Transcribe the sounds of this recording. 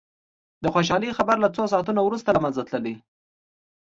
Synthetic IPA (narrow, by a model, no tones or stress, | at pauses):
d̪əxoʃ̬ɑlixabaɾlat͡sos̬ɑt̪unawɾust̪alamanzat̪ləli